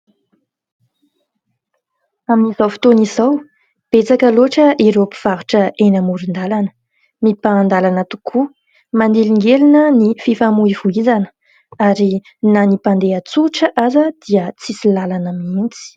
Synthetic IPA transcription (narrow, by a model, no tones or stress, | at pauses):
aminizawfi̥t̪onizaw | b̥et͡sakəloʈ͡ʂəʔeɾopi̥v̥aɾuʈ͡ʂəʔenəmuɾind̪alanə̥ | mipaːnd̪alanət̪u̥kʰu | mand̪eliŋɡelinənififamuivuizanə̥ | aɾi | nanipand̪eət͡suʈ͡ʂəʔazəd̪̥iət͡sisilalanəmint͡si̥